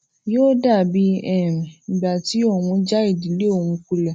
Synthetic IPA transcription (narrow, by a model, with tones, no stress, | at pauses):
joː˦da˦˨bi˨˦ɛ˦˨mĩ˨n̩˨ɡ͡ba˨ti˨˦ɔ˦˨w̃ũ˧d͡ʒa˦i˦˨di˨˦le˦o˦˨w̃ũ˧ku˧lɛ˨